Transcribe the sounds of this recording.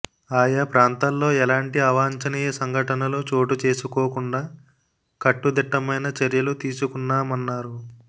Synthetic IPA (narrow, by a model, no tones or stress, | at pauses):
aːjapɾaːnt̪aːllo̞ːɛlaːɳʈiɐʋaːɲt͡ʃɐniːjɐsɐŋɡʱɐʈɐnɐloːt͡ʃo̞ːʈut͡ʃe̞ːsukoːkuɳɖaː | kɐʈːud̪iʈːɐmɐjnɐt͡ʃɐɾjɐlut̪iːsukunːaːmɐnːaːɾu